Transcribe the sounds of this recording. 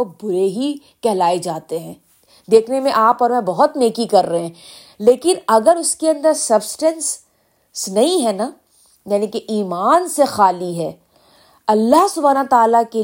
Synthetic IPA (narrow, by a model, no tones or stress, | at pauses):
obʊɾeɦi | kɛɦlaːed͡ʒaːt̪eɦɛ̃ː | d̪eːkʰnemẽʔaːpɔːɾmɛ̃bɐɦʊt̪neːkikɐɾːɐɦɛ̃ | leːkɪnɐɡəɾʊskeɐ̃nd̪əɾsɐbsʈɛ̃ns | snɐɦĩɦɛna | jaːnĩkeʔiːmaːnsexaːliɦɛː | ɐlːaɦsʊbʱaːnat̪aːlake